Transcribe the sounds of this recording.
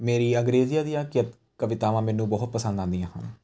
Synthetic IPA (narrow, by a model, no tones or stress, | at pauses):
meːɾiːə̃ŋɡɾeːzɪjaːd̪ijãːkɪjət̪ | kəʋɪt̪aːʋãːmɛːnũːbɔːt̪̚pəsə̃nd̪ãːnd̪ijãːhə̰n